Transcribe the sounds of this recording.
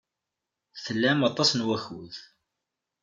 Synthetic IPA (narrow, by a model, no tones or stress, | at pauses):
θəlːæmɑt̪ˤːɑsnwæçuð